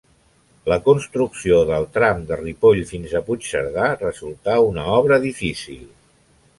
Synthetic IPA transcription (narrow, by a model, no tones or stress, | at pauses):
ləkunst̪ɾuksioðəlˠt̪ɾamd̪əripoʎfinzəput͡ʃsə̰ɾðarəzulˠt̪aunəɔβɾəðifisḭlˠ